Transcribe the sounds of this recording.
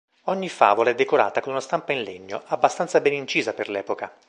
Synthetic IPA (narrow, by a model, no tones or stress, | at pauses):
ɔɲːifa̰ːvolaɛd̪ːekoɾa̰ːt̪akonunast̪ampainleɲːo̰abːast̪ant̪sabɛnint͡ʃiːzaperlɛːpoka